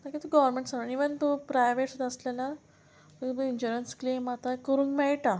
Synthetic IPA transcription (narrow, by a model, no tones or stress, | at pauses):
t̪akit̪uɡɔʋəɾmẽɳʈsaniʋənt̪upɾajʋeʈsut̪əslala | məkt̪uiɲd͡ʑuɾənsklemat̪akəɾũːŋkmɛɭʈa